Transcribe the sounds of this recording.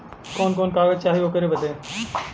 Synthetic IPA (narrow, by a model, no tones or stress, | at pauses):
koːnkoːnkaːʋət͡ʃaːɦijoːkəɾeːbəd̪ʱeː